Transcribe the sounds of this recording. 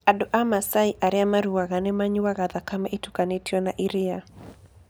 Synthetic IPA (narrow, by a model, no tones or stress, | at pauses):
adɔʔamasaiʔaɾiamaɾuwaɣanɛmaɲiwaɣaðakamaʔitukanitiɔnaʔiɾia